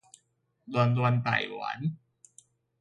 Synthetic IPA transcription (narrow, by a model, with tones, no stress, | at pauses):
d̪u˧nd̪u˧nt̪a̰˨˩ja̰˨˩˦n